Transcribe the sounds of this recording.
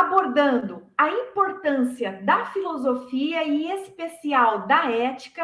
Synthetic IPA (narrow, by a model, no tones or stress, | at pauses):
aboɾd̪ɐ̃nd̪ʊɐĩpoɾt̪ɐ̃siɐd̪ɐfilozofiɐɪespesiawd̪ɐɛt͡ʃi̥kɐ